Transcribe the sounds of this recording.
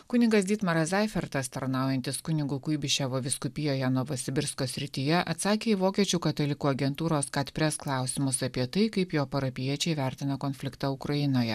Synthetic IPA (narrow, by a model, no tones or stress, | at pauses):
kʊnʲɪɡɐsd̪ʲiːt̪mɐɾɐzɑɪfʲɛɾt̪ɐst̪ɐɾnɑˑʊjɛnʲt̪ʲɪskʊnʲɪɡuːkʊɪbʲɪʃʲɛʋoːʋʲɪskʊpʲɪjoːjɛnoːʋɐsʲɪbʲɪɾskoːsʲɾʲɪt̪ʲɪjɛʔɐt̪sɑːkʲeːiʋoːkʲiɛt͡ʃʲuːkɐt̪ɐlʲɪkuːɐɡʲɛnt̪uːɾoːskɐt̪ʲpʲɾʲɛsklˠɑˑʊsʲɪmʊsɐpʲiɛt̪ɐɪkɐɪpjoːpɐɾɐpʲɪjiɛt͡ʃʲɛɪʋʲæˑɾʲt̪ʲɪnɐkoːnʲfʲlʲɪkt̪ɑʊkɾɐjɪnoːjɛ